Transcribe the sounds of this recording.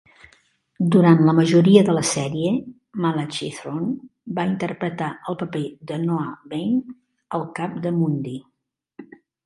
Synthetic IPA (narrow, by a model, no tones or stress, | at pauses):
d̪uɾant̪ləməʒuɾiəðələsɛɾiə | malat͡ʃiθɾonbaint̪ərpɾət̪aəlˠpəped̪ənoaβejn | əlˠkap̚d̪əmund̪i